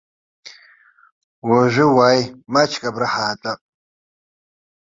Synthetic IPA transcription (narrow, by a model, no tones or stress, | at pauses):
waʒʷɪwajmat͡ʃʰkʼabɾaħaːtʼa